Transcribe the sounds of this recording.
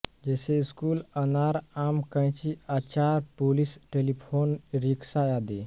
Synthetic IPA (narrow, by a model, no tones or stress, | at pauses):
d͡ʒeːseiskuːlənaːɾaːmkə̃j̃t͡ʃiaːt͡ʃaːɾpolisʈelipʰoːnɾiksajaːd̪eː